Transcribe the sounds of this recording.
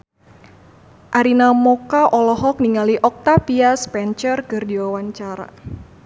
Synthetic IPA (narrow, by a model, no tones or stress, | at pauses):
ʔaɾinamɔkaʔɔlɔɦɔk̚niŋaliʔɔk̚t̪apiaspɛnt͡ʃərkɨrdiwawaɲt͡ʃaɾa̰